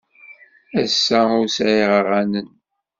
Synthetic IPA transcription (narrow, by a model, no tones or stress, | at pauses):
æsːæʊɾsʕiʁəʁænən